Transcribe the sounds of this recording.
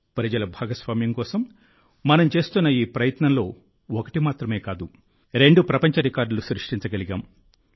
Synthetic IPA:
pɾɐd͡ʒɐlɐbʱaːɡɐsʋaːmjɐŋkɔːsɐmː | ɐnɐmt͡ʃe̞ːst̪unːɐiːpɾɐjɐt̪nɐnlo̞ː | ɔkɐ̥ʈimaːt̪ɾɐme̞ːkaːd̪u | ɾe̞ɳɖupɾɐpɐɲt͡ʃɐɾikaːɾɖulusɾiʂʈiɲt͡ʃɐɡɐliɡa̰ːm

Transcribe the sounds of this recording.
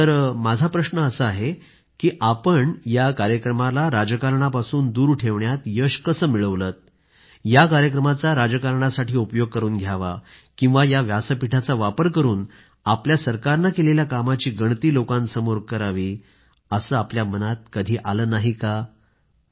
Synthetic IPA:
t̪əɾmad͡zʱapɾəɕnəəsəaɦe | kiːʔapəɳjakaɾjəkɾəmalaɾad͡ʑəkaɾɳapasuːnd̪uːɾʈʰeʋɳjat̪jəɕkəsəːmiɭəʋlət̪̚ | jakaɾjək̬ɾəmat͡saɾad͡ʑəkaɾɳasaʈʰiːupəjoɡ̚kəɾuːnɡʱjaʋa̰ | kĩw̃ʋajaʋjasəpiʈʰat͡saʋapəɾkəɾuːn | apljasəɾkaɾnakeleljakamat͡ɕiːɡəɳ̃t̪iːlokãnsəmoɾɡ̚kəɾaʋiː | əsəːapljamənat̪̚kəd̪ʱiːʔaləːnaɦika

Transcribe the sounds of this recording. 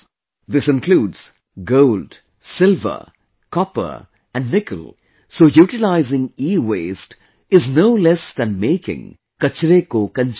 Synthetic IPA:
ðɪsɪ̃nkluːdz̥ | ɡoʊlɖ | sɪlvə̰˞ | kɔpə̰˞ | æ̃nɖnɪkə̰l | soːjuːʈɪlaɪzɪ̃ŋiːweːsʈ | ɪznoʊlɛsd̪æ̃nmeːkɪ̰̃ŋ | kʌt͡ʃɾeːkoːkə̃nt͡ʃ

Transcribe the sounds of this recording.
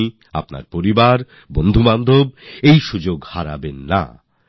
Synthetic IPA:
a̰pna̰ɾpoɾibaɾ | bond̪ʱumand̪ʱob̚ejʃud͡ʑoɡhaɾa̰benːa̰

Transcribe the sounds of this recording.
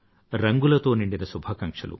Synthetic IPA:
ɾɐŋɡulɐt̪oːniɳɖinɐsubʱɐkɐŋʂɐ̰lṵ

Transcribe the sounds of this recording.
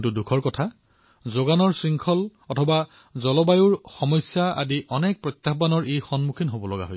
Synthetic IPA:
ntudukʰɔɹkɔtʰa | zoɡanɔɹsɹiŋkʰɔlɔtʰɔba | zɔlɔbajuɹxɔmɔjsːaa̰diʔɔnɛk̚pɹɔjt̪ːaxbanɔɹejxɔnmukʰinɦobɔlɔɡa̰ɦoj

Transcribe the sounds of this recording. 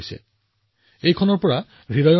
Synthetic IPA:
jsḛ | ejkʰɔnɔɹpɔɹa | ɡidajɔ

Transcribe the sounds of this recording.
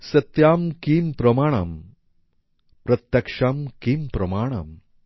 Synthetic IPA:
sɐt̪jaːmkiːmpɾɐmaːɳ̃aːm | pɾɐt̪jɐkʂaːmkiːmpɾɐmaːɽ̃a̰ːm

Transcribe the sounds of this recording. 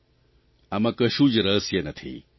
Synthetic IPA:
ɐmɐkɐʃũd͡ʒɾɐsjɐnɐt̪ʰḭ

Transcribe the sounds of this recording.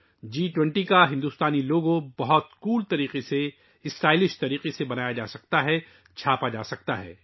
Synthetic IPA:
d͡ʒiːʈwɛ̃ɳʈikaɦɪ̃nd̪uːst̪aːniloːɡõbɐɦɔt̪kuːlt̪ɐɾiːqese | ɪsɾaːilɪʃt̪ɐɾiːqesebɐnaːjad͡ʒaːsɐk̚t̪aɦɛ | t͡ʃʰaːpad͡ʒaːsɐk̚t̪aɦɛ̰ː

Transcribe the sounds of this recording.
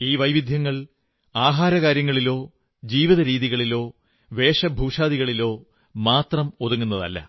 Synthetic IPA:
iːʋɐjʋid̪ʱjɐŋːɐɭ | aːɦaːɾɐkaːɾjɐŋːɐɭilo̞ː | d͡ʑiːʋiðɐɾiːðiɣɐɭilo̞ː | ʋe̞ːʂɐbʱuːʂaːðiɣɐɭilo̞ː | maːt̪rɐmoðuŋːunːɐðɐ̰lːɐ̰

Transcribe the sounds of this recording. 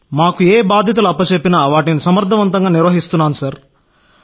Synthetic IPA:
maːkueːbaːd̪ʱjɐt̪̬uluɐpːɐt͡ʃepːinaːʋaːʈinisɐmɐɾd̪ʱɐʋɐnt̪ɐŋɡaːniɾʋɐɦist̪unːaːnusɐɾ

